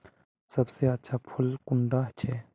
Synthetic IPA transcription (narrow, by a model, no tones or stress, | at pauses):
sɐbseɐtːʃʰapʰʊlkʊɳɖat͡ʃʰe